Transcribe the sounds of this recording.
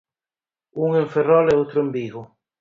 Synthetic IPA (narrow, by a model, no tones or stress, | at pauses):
uŋeɱferɔlɛowt̪ɾʊembiɣʊ